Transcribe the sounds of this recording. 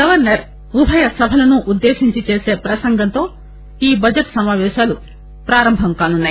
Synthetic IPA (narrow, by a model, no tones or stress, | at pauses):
ɡɐʋɐɾnɐɾ | ubʱɐjɐsɐbʱɐlɐnuʔud̪ːeːʃiɲt͡ʃit͡ʃeːse̞ːpɾɐsɐŋɡʱɐnt̪o̞ː | iːbɐd͡ʒɐʈsɐmaːʋɛːʃaːlu | pɾaːɾɐmbʱɐmkaːnunːaːji